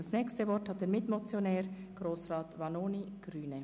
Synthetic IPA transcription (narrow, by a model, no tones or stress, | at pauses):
ɑsnɛːkstəvɔɾthɑt̚d̥eːɾmɪtmot͡sjonɛːɾ | ɡ̥ɾoːsʁɑːtvɑnoːniɡ̥ɾyːnə